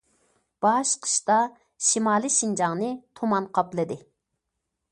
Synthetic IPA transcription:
b̥ɑʃqʰə̥ʃt̪ɑ | ʃimɑːlˠɨʃind͡ʒɑŋnɨt̪ʰomɑnqʰɑplˠɨd̪ɪ

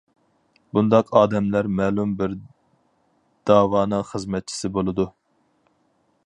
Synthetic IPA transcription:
bund̪ɑqʰɑːd̪ɛmlæɾmɛːlˠumbɪɾ | d̪̥ɑːwɑːnɨŋχəzmɛt̪̚t͡ʃʰi̥sɪbolˠɨd̪u

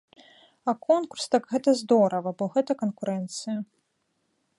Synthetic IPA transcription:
ɐkɔnkurst̪akɣɛt̪ɐzd̪ɔɾɐvɐbɔɣɛt̪ɐkɐnkuɾɛnt̪sɨjɐ

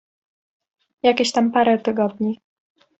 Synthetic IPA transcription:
jakʲeɕt̪ampaɾɛt̪ɘɡɔd̪ɲi

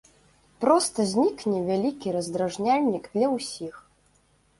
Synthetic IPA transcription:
pɾɔst̪ɐzʲnʲiknʲɛvʲalʲikʲiɾɐzd̪ɾaʐnʲalʲnʲiɡd̪lʲɐwsʲix

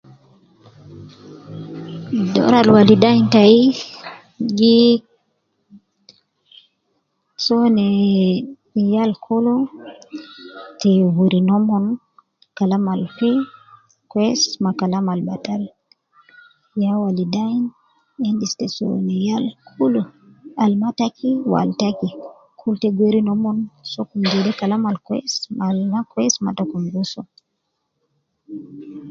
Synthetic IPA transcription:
dɔ̰ɾalwalidajntai | ɡi | sɔnɛ | jalkʰolɔ | tɛwuɾinɔmɔn | kalamalfi | kwɛsmakalamalbatal | jawalidajn | ɛndistɛso̰nijalkʰulu | almatakʰiwa̰ltaki | kʰultɛɡeɾinɔmɔnsɔkumdidɛkalamalkwɛ̰smalakwɛsma̰takumɡusɔ

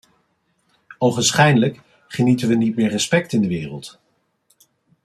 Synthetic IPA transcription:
owχənsχɛjdələk | χənitənʋənit̚mɪːɹrəspɛktɪndəʋɪːrə̰lˠt

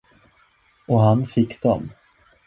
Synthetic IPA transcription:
ɔɦanfɪkːd̪̥ɔ̰m

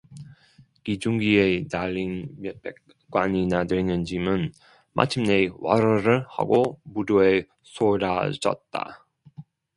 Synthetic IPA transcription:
kid͡ʑuŋɡienaʎːinmjep͈ʰek | k͈waɲinadenɯnd͡ʑimɯn | mʔa̰t͡ɕʰimnewʌ̰ɾʌɾɯɭha̰ɡomudoe | sʰoɾad͡ʑʌ̰t̚t͈a̰

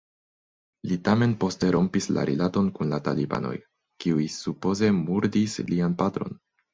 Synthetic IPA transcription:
litame̞npo̞ste̞ɾʔo̞mpisla̰ɾilato̞nkunlata̰liba̰no̞̰j | kiujsupo̞ze̞muɾdislianpatɾo̞̰n

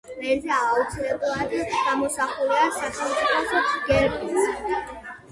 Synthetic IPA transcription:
ɾɛnzɛaut̪sʰilɛblˠad̪ɡamɔsaχulˠad̪saχɛlˠmt̪sʼipʰɔsɔɡɛɾkʼu

